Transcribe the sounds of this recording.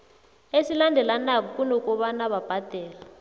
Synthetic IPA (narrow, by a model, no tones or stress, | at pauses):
esilandʱɛlanak̬ɔkʼunɔkʼɔɓanaɓab̥ʱad̥ʱɛːla